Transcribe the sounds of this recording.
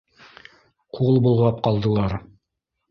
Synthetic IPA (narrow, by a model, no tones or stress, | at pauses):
qulˠbŭlˠʁɑp̚qɑlˠd̪ɤ̆lˠɑɾ